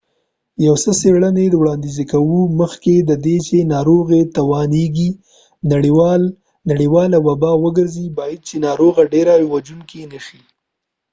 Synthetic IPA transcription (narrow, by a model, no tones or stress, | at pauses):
jawsəseɽəned̪wɽɑnd̪izekawuməxked̪əd̪et͡ʃenɑɾoɣet̪awɑneɡi | naɽiwɑl | naɽiwɑlawabɑwəɡəɾzibɑjad̪̚t͡ʃenɑɾoɣaɖeɾawad͡ʒunkinəʃi